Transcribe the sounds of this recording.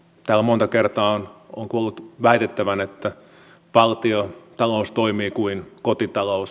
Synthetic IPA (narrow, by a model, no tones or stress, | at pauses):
t̪æːlæmont̪ɑkert̪ɑːono̰ŋkuolːut̪ʋæit̪et̪ːæʋænet̪ːæ | pɑlt̪iot̪ɑloust̪oimiːkuinkot̪it̪ɑlous